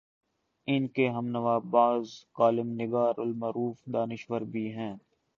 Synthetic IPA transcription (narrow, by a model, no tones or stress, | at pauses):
ɪnkeɦɐmnɐʋaːbaːzkaːlɪmnɪɡaːɾʊlmɐɾuːfd̪aːnɪʃʋəɾbʱiɦɛ̃ː